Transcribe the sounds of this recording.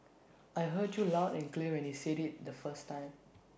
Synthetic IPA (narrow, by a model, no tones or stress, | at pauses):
ʔajɦədjulaʊdɛ̃nkliəwɛ̃nhiseɾit̚dəfəstːãɪ̃m